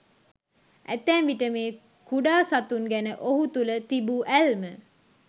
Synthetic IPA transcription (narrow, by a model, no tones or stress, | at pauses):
æ̰t̪ænʋiʈəmeː | kuɖaːsat̪unɡænəʔoɦut̪ulət̪ibuʔælmə